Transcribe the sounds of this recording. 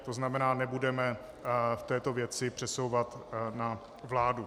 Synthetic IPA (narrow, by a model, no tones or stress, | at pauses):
t̪o̞znamɛnaːnɛbudɛmɛ | ft̪ɛːt̪o̞vjɛt͡sɪpr̝̥ɛsowvat̪na | vlaːdu